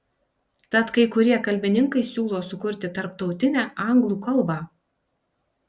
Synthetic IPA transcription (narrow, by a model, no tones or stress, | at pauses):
t̪ɐt̪kɐɪkʊɾʲiɛkɐlʲbʲɪnʲɪŋkɐɪsʲuːlˠoːsʊkʊɾʲt̪ʲɪt̪ɐɾp̚t̪ɒʊt̪ʲɪnʲæːʔɑˑŋɡlˠuːkɐlˠˑbɑː